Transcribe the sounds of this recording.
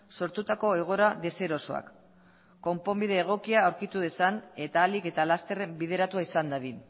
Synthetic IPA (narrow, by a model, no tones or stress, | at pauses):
so̞ɾt̪ut̪ako̞e̞ɣ̞o̞ɾaðe̞se̞ɾo̞so̞a̰kː | o̞mpo̞mbið̞e̞ːɣ̞o̞kiaːwɾkit̪uð̞e̞sane̞t̪aːlike̞t̪alast̪ere̞mbiðe̞ɾat̪uaisand̪aðin